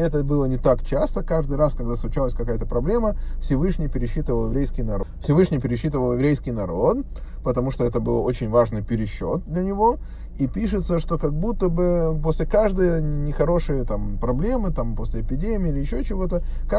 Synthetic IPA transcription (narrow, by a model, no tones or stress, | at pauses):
ɛt̪əbɨlˠənʲɪt̪akt͡ɕast̪əkaʐd̪ɨjraskɐɡ̚d̪asˠʊt͡ɕalˠəsʲkɐkajət̪əpɾɐblʲe̞məfsʲɪvɨʂnʲɪjpʲɪɾʲɪɕːit̪əvəlˠjɪvɾʲejskʲɪjnɐɾfsʲɪvɨʂnʲɪjpʲɪɾʲɪɕːit̪əvəlˠjɪvɾʲejskʲɪjnɐɾo̞t̪ | pət̪ɐmuʂt̪o̞ɛt̪əbɨlˠo̞t͡ɕɪnʲvaʐnɨjpʲɪɾʲɪɕːot̪̚d̪lʲənʲɪvo̞ | ipʲiʂɨt̪səʂt̪okɐɡ̚but̪ːəbɨposʲlʲɪkaʐd̪əjənʲɪxɐɾo̞ʂɨjət̪ampɾɐblʲe̞mɨt̪ampo̞sʲlʲɪɪpʲɪdʲemʲɪəilʲɪjɪɕːot͡ɕɪvo̞t̪ə | ka